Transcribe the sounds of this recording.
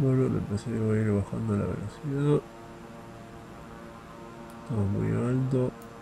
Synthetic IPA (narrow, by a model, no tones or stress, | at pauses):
beɾolḛmpeseoaiɾβaxa̰nd̪ola̰βḛlosiða | et̪amomṵjalt̪̬o